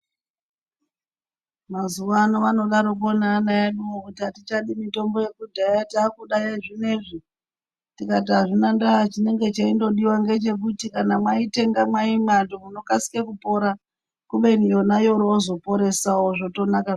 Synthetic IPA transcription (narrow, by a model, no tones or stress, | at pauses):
mazuʋanoʋano̞ɗaɾok̬onaːnajaɗuwokutiɦatit͡ʃaɗimito̞mbo̞je̞kudʱajatiakuɗajaʐineʐi | tikat̬iɦaʐinandaat͡ʃine̞ŋɡe̞t͡ʃaindo̞ɗiwaŋɡe̞t͡ʃe̞k̬utikanamwaite̞ŋɡamwaimandomuno̞kasi̥kekupo̞ɾa | kuɓe̞nijo̞najo̞ɾoːzo̞po̞ɾe̞saoʐoto̞nakaʐ